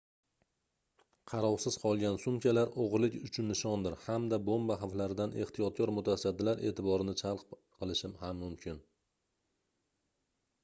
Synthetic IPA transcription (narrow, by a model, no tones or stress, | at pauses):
qʰɑɾɒwsɪz̥qʰɒlˠɡʲansʊmkʲʰalaɾoʁɾlɪkʲʊt͡ʃʰʊnːɪʃɒnd̪ɪɾhamd̪abombaɦavlaɾɪd̪ane̞ht̪ʰijɒt̪̚kʰɒɾmʊt̪ʰasad̪ːɪlaɾʔe̞ːt̪ʰɪbɒɾɪnɪt͡ʃʰalˠq | qʰɨlˠɪʃɪmhamːʊmkʲʰɪn